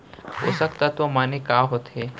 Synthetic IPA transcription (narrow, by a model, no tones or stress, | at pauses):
ʊ̰sək̚t̪ɐt̪ʋəmaːnekaːɦot̪ɦe